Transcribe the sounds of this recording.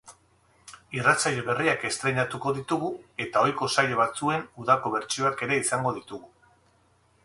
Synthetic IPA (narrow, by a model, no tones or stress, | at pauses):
irat͡sajʎeβe̞riake̞st̪ɾe̞ɲat̪uko̞ðit̪uɣue̞t̪ao̞jko̞saje̞β̞at͡sue̞nuðako̞βe̞ɾt͡ʃio̞ake̞ɾe̞isaŋɡo̞ðit̪uɣu